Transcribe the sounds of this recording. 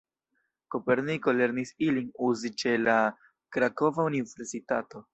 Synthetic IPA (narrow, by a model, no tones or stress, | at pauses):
ko̞pe̞ɾniko̞le̞ɾnisilinuzit͡ʃe̞la | kɾako̞vaunive̞ɾsitato̞